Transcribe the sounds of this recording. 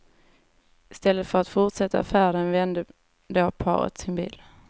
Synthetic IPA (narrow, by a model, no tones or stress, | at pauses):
ɪst̪ɛlːət̪fœɾat̪fʊʈʂɛt̪ːa̰fæːɾənvɛnd̪ə | d̪oːpʰɑ̰ːɾə̰t̪sɪnbḭːl